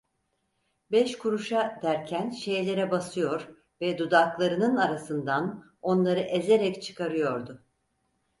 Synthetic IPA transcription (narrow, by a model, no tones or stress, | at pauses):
bɛʃkʰuɾuʃad̪æɾcʰænʃe̞jlʲe̞ɾɛbasɯjo̞ɾ | vɛd̪ud̪aklˠaɾɯnɯnaɾasɯnd̪an | o̞nlˠaɾɯʔeze̞ɾɛct͡ʃʰɯ̥kʰaɾɯjo̞ɾd̪ʊ